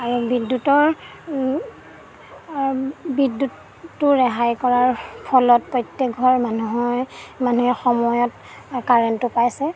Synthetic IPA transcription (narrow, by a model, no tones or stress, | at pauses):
aɹubidːutɔɹ | bidːutː | ʊɹɛɦajkɔɹaɹpʰɔlɔt̚pɹɔjtːɛk̚ɡʱɔɹmanuɦɔjmanuɛxɔmɔjɔt | kaɹɛntʊpajsɛ